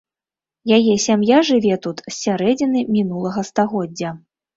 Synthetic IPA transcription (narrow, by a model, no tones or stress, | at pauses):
jajɛsʲamjaʐɨvʲɛt̪ut̪sːʲaɾɛd͡zʲinɨmʲinulˠɐɣɐst̪aɣɔd͡zʲːɐ